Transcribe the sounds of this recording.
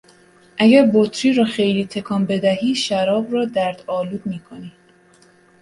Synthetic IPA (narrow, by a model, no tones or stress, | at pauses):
ʔæɟæɾbot̪ʰɾiːɾɒːxe̞jliːt̪ʰe̞kʰɒːmbe̞d̪æhiːʃæɾɒːbrɒːd̪æɾd̪̥ɒːluːd̪̚miːkʰo̞niː